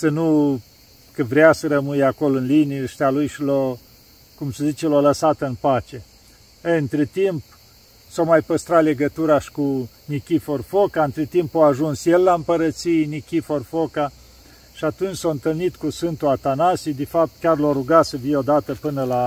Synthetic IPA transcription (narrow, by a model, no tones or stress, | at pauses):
sənu | kəvɾeasəɾəmɨjako̞loɨnliniʃt̪ealujʃilo | kumsəzit͡ʃeloləsat̪ɨnpat͡ʃe̞ | əɨɨnt̪ɾet̪imp̚ | somajpəst̪ɾale̞ɡət̪uɾaʃi̥ku | nikʲiforfokaɨnt̪ɾet̪impoaʒunsjelːaɨmpəɾət̪sijnikʲiforfoka | ʃiat̪unt͡ʃsoɨnt̪ɨlnit̪kusvɨnt̪uat̪anasid̪efap̚t̪̚kʲarloɾuɡasəfijo̞d̪at̪əpɨnəla